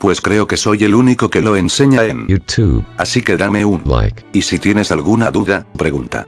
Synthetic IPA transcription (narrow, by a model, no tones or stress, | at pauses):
pwe̞skɾe̞o̞ke̞so̞je̞luniko̞ke̞lo̞e̞nse̞ɲaenjutʰṵbasike̞ðame̞unla̰ɪkisit̪je̞ne̞salɣunaðuðapɾe̞ɣunt̪a̰